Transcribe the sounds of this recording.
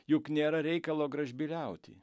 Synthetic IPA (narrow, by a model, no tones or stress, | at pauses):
jʊknʲeːɾɐɾʲɛɪkɐlˠoːɡɾɐʒʲbʲilʲɛʊt̪ʲɪ̰